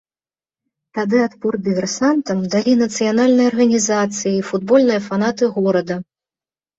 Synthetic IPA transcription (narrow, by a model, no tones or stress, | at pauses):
t̪ad̪ɨat̪purd̪ɨvʲɛrsant̪ɐmd̪alʲinɐt̪sɨjanalʲnɨjɐɐrɣɐnʲizat̪sɨjiifud̪̚bɔlʲnɨjɐfanat̪ɨɣɔɾɐd̪ɐ